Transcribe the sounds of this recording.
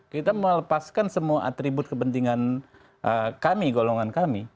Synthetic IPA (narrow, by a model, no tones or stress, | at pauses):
kit̪amələpaskansəmuaʔat̪ɾibʊt̪̚kəpənt̪iŋan | ʔəkamiɡoloŋankami